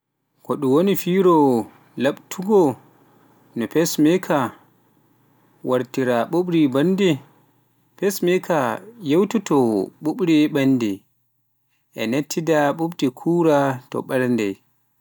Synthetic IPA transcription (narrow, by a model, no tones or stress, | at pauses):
kɔɗuwonifiɾɔ | laɓtʰuɡɔ | nɔpɛsmɛkʰa | waɾtiɾaɓuɓɾibandɛ | pɛsmɛkʰajewtutɔɓuɓɾiɓanːdɛ̰ | ʔɛ̰netʰːidaɓuɓdikʰuɾatɔ̰ɓɛɾndɛ̰j